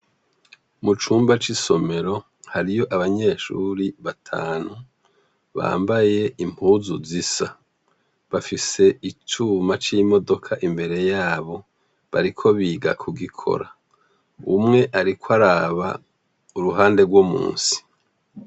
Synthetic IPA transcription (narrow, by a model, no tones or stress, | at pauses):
mut͡ʃuːmbat͡ʃiso̞me̞ɾo̞ | haɾijo̞ʔaβaɲe̞ːʃṵɾiβatʰa̰ːnu | βa̰ːmbaje̞ʔimpʰuzuzisa | βafise̞ʔit͡ʃuːmat͡ʃimo̞do̞kʰaʔimbe̞ɾe̞jaːβo̞ | βaɾikʰo̞βiːɡa̰kʰuɡikʰo̞̰ɾa | umŋe̞ʔaɾikwaɾaβa̰ | uɾuɦaːnde̞ɡwomṵːnsi̥